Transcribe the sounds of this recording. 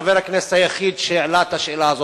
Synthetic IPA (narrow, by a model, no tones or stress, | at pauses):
veɾaknese̥thajaχid̪ʃeːʕlat̪aʃelaːzo